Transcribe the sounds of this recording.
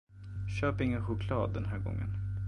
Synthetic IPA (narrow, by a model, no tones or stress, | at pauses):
ɕøːpɪŋːənɧʊkʰlɑːd̪ːɛnɦæːɾɡɔ̰ŋːə̰n